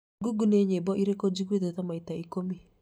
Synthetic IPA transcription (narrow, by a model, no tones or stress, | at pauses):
ɡuɡuneɲebɔʔiɾekod͡ʒikeðeðamaitaikomi